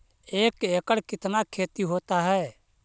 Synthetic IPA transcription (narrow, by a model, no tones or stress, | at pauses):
eːkeːkəɽkɪt̪nakʰeːt̪iɦoːt̪aɦɛː